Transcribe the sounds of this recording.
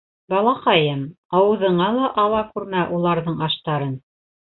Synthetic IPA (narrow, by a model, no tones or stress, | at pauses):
bɑlˠɑqɑjɤm | ɑwɤ̆ðɤ̆ɴɑlˠɑʔɑw̪ˠɑkʉɾmæʔulˠɑɾðɤɴɑʃt̪ɑɾɤn